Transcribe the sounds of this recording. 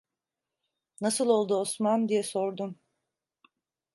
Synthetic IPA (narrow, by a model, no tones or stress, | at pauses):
nasɯlˠo̞lˠd̪uosmand̪ijɛsoɾd̪um